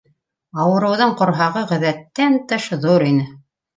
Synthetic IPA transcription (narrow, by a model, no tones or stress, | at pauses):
ɑwɤ̆ɾɤ̆wðɤɴqŏɾɦɑʁɤʁɘ̆ðæt̪ːænt̪ɤʃðuɾinɘ